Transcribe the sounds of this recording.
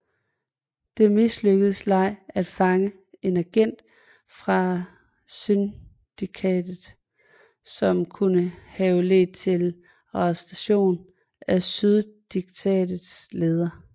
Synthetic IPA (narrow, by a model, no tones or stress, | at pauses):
d̥e̝misløɡ̥əð̩ˠslɑ̈ɪ̰æd̥fɑ̈ŋə | e̝næɡ̥en̰d̥ | fʁɑ̈ | syn | d̥ikʰɛ̰ːd̥ð̩ˠ | sɒ̽mkʰunəhɛʊle̝̰ːd̥̚t͡sʰe̝l | ʁɑsd̥æɕo̝̰ːn | æsyðˠd̥iɡ̥̚t͡sʰɛ̰ːd̥ð̩ˠsleːð̞ˠɐ